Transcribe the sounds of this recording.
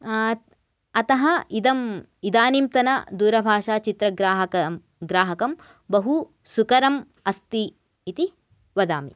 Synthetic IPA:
ɐt̪ɐɦɐid̪ɐm | id̪aːnimt̪ɐnɐd̪uːɾɐbʱaːʂaːt͡ʃit̪ɾɐɡɾaːɦɐɐ | ɡɾaːɦɐkɐm | bɐɦu | sukɐɾɐm | ɐst̪iː | t̪i | ʋɐd̪a̰ːmḭ

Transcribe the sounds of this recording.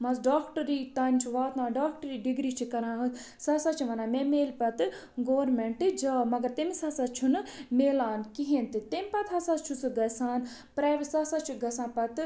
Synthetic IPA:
mɐzɖaːkʈɐɾiːt̪ɐːnʲt͡ʃʰuʋaːt̪ãːɖaːk̚ʈɐɾiːɖiɡɾiːt͡ʃʰikɐɾãːɦɨ | saːsaːt͡ʃʰiʋɐnãːmemeːlpɐt̪ɨ | ɡoːɾmeɳʈɨd͡ʒaːmɐɡɐɾt̪emisaːsat͡ʃʰunɨmeːlaːnkiɦent̪ɨt̪emʲpɐt̪ʰɦɐsat͡ʃʰusɨɡɐsaːn | pɾaːʋisaːsat͡ʃʰuɡɐsãːpɐt̪

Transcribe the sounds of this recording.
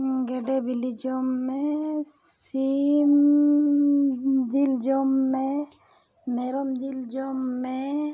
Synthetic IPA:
ɡeɖebilid͡ʒomːẽs | im | d͡ʒild͡ʒomːẽ | meɾɔmd͡ʒild͡ʒomːe

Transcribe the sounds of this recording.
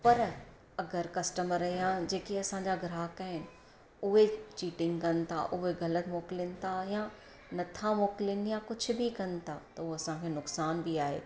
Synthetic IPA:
pɐɾ | ɐɡəɾkɐsʈəməɾɐɦijãd͡ʑeːkiɐsãːɲd͡ʑaɡʱɪɾaːkaːɦɪnɪ̆ | ʊɦet͡ɕiːʈɪ̃ŋɡkɐnt̪ʰa̰ʔʊɦeɡɐlət̪moːkɪlənɪ̆t̪ʰajã | nɐt̪ʰamoːkɪlənijãkʊd͡ʑʰʱʊ̆bikɐnt̪ʰat̪ɐoɐsãkʰeːnʊksaːnbiaːɦḛː

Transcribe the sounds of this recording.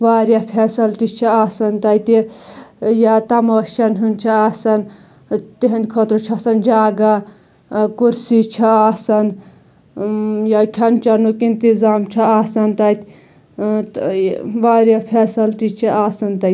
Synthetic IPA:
ʋaːɾjɐpʰeːsɐlt̪it͡ʃʰɐaːsɐnt̪ɐjt̪i | jat̪ɐmɐːʃɐnɦunt͡ʃʰɐaːsɐn | t̪eɦɐnd̪ʲkʰɐt̪ɾot͡ʃʰɐsɐnd͡ʒaːɡa | kuɾsit͡ʃʰɐaːsɐn | jakʰɐnt͡ʃɐnukint̪izaːmt͡ʃʰɐaːsɐnt̪ɐjt̪ | ʋaːɾjapʰeːsɐlt̪it͡ʃʰiʔaːsɐnt̪ɐ

